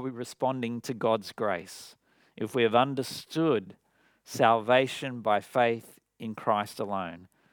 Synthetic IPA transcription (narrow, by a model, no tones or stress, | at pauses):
iɹɨspɑ̃ndɪ̃ŋtʰɨɡɑdzɡɹeɪs | ʔɨfwiɨvʌ̃ndə˞stʊd | sælˠveɪʃɨ̃nbaɪfeɪθ | ɨ̃nkʰɹ̥aɪstəlõʊ̃n